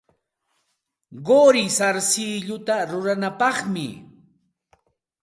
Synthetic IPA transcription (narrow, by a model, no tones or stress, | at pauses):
ɢoɾɪsaɾsɪʎʊt̪aɾʊɾanapɑχmɪ̰